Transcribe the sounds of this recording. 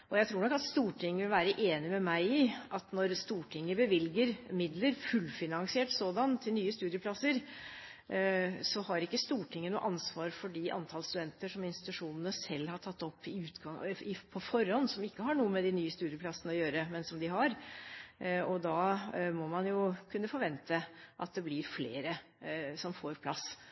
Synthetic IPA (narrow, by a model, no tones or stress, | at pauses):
ʔɔjæɪt̪ʰɾuːnɔkːɑt̪st̪uːʈʰɪŋːəʋɪlʋæːɾəʔeːnɪmɛmæɪɪʔɑt̪nɔɾst̪uːʈʰɪŋːəbəʋɪlɡəɾmɪd̪ləɾfʉlfɪnɑŋsɪɛːʈsoːd̪ɑnt̪ʰɪlnyːəst̪ʉːd̪jəpʰlɑsəɾ | sɔhɑɾɪkːəst̪uːʈʰɪŋːənṵːʔɑnsʋɑːɾfɔɖiʔɑ̰nt̪ʰɑːlst̪ʉd̪ɛnt̪əʂɔmɪnst̪ɪ̥t̪ʉʂuːnənəsɛlːhɑʈʰɑt̪ːɔpːɪʉːt̪ɡɑɪpʰɔfɔɾhɔnːsɔmɪkːəɦɑɳuːəmɛd̪ɪnyːəst̪ʉːd̪ɪjəpʰlɑsːənəɔjøːɾəmɛnsɔmd̪ɪɦɑɾ | ɔd̪ɑːmɔmɑnjʊkʰʉnːəfɔɾʋɛnt̪ʰəʔɑt̪̚d̪ɛblɪɾfleːɾə | sɔmfoːɾpʰlɑsː